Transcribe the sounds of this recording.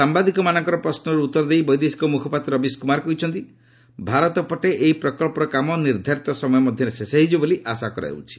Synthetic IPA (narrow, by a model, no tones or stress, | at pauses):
sambad̪ikɔmanɔŋkɔɾɔpɾɔsnɔɾuut̪ːɔɾɔd̪ejbɔjd̪esi̥kɔmukʰɔpat̪ɾɔbiskumaɾɔkɔɦit͡ʃʰɔnt̪i | bʱaɾɔt̪ɔpɔʈeʔeipɾɔkɔɭpɔɾɔkamɔniɾd̪ʱaɾit̪ɔsɔmɔjɔmɔd̪ʱjɔɾesesaɦid͡ʒiboliʔasakɔɾa̰ɦḛut͡ʃʰi̥